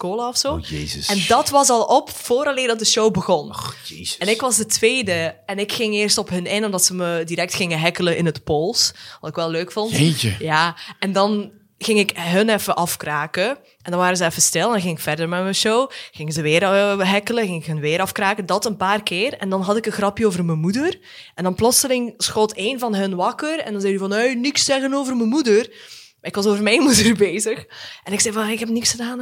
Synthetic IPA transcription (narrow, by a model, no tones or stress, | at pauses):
koːlaɔfsoːeɛndɑtʋɑsɑlˠɔpfoːɾɑleːrdɑt̚dəʃowbəɣɔn | ɛnɪkʋɑzdətʋeːdəɛnɪkxɪŋɪːrstɔpɦɵnɪnɔmdɑtsəmədiɾɛk̚txɪŋəɦɛkələnʔɪnətpolˠsʋɑtɪkʋɛlˠːøːkfɔnteəjaːɛndɑn | ɣɪŋɪkɦənɛfəʔɑfkraːkə | ɛndɑnʋaːɾəzəɛfəstɪlˠɛndɑnɣɪŋɪkfɛrdərmɛmɛnʃowɣɪŋəzəʋɪːɾɦɛkələɣɪŋɪkɦənʋɪːɾɑfkraːkədɑtənpaːrkɪːrɛndɑnɦɑtɪkənɣrɑpjəoːvərməmudər | ʔɛndɑnplɔtsəlɪŋsxoːteːnvɑnɦɵnʋɑkərɛ̰ndɑnzɛjdyvɑnøɥnɪksːɛɣənoːvərməmudərmaːɪkʋɑsoːvərmɛjnmudərbeːzəxʔɛnɪksɛjvɑnjaɪkɦɛpnɪksxədaːn